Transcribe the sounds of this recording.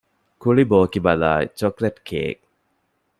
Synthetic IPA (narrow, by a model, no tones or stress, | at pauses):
kuɭiboːkibɐla̰ːt͡ʃokletkʰḛːk̚